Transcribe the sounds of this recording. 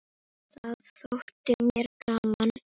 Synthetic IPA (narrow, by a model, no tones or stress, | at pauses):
θaðθθowht̪ɪmjɛɾkaːman